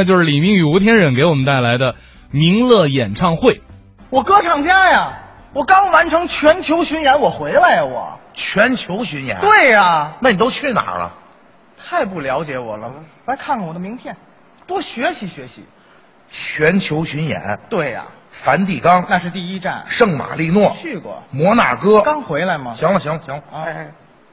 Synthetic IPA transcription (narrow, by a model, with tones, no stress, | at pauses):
a˥˧t͡ɕjo˥˧ʊʂɻ̩˥˩li˨˩mi˧˥ŋy˨˩u˧˥t̪ʰjɛ˥nɻə˨˩nke˧˥ɪwɔ˨˩mə˦nt̪a˥˩ɪla˧˥ɪd̪ə˧ | mi˧˥ŋlɤ˥˧jɛ˨˩nʈ͡ʂʰɑ˥˧ŋxwe˥˩ɪ | wɔ˨˩kɤ˥ʈ͡ʂʰɑ˨˩ŋt͡ɕja˥jɐ˨˩ | wɔ˨˩kɑ˥ŋwa˧˥nʈ͡ʂʰɤ˧˥ŋt͡ɕʰɥɛ˧˥nt͡ɕʰjo˧˥ʊɕy˧˥njɛ˧˥nwɔ˨˩xwe˧˥ɪla˧˥ɪwɔ̰˨˩˦ | t͡ɕʰɥɛ˧˥nt͡ɕʰjo˧˥ʊɕy˧˥njɛ̰˧˥nt̪we˥˩ɪɐ˨˩na˥˩ni˨˩t̪̬o˥ʊt͡ɕʰy˥˩na̰˨˩lə̰˦ | t̪ʰa˥˧ɪp̬u˥˩ljɑ˧˥ʊt͡ɕjɛ˧˥wɔ˨˩lə˦ | la˧˥ɪkʰa˥˩nkʰa˥˩nwɔ˨˩d̪ə˧mi˧˥ŋt̪ʰjɛ˥˩n | t̪wɔ˥ɕɥɛ˧˥ɕi˧˥ɕɥɛ˧˥ɕḭ˧˥ | t͡ɕʰɥɛ˧˥nt͡ɕʰjo˧˥ʊɕy˧˥njɛ̰˧˥nt̪we˥˩ɪɐ̰˩ | fa˧˥nt̪i˥˩kɑ˥ŋna˥˧ʂɻ̩˥˧t̪i˥˩i˥ʈ͡ʂa̰˥˩nʂɤ˥˩ŋma̰˨˩li˥˧nwɔ˥˩t͡ɕʰy˥˩kwɔ̰˨˩mwɔ˧˥na̰˨˩kɤ˥kɑ˥ŋxwe˧˥ɪla˧˥ɪmɐ˨ɕjɑ˧˥ŋlə˧˩ɕjɑ˧˥ŋlə˧ɕjɑ˧˥ŋl